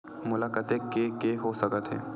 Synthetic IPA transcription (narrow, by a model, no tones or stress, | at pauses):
mʊlaːkaːt̪ekekeɦosəkət̪ɦɛ̰ː